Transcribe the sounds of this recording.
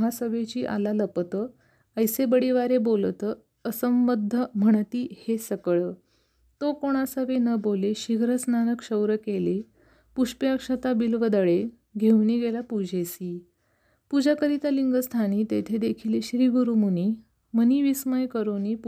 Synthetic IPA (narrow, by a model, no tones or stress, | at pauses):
ɦasəbet͡ɕiːʔa̰laləpt̪ə | əjsebəɽiʋaɾebolt̪ə | əsəmbəd̪ʱːəm̤əɳ̃t̪iːhesəkəɭə | t̪okoɽ̃asəʋenəboleɕiɡʱɾəsnanəkɕəwɾəkele | puʂpjakʂət̪abilʋəd̪əɭe | ɡʱewniɡelapud͡ʑʱesiː | pud͡ʑakəɾit̪aliŋɡəst̪ʰañit̪et̪ʰed̪ekʰileɕɾiːɡuɾumuni | məniʋisməjkəɾonip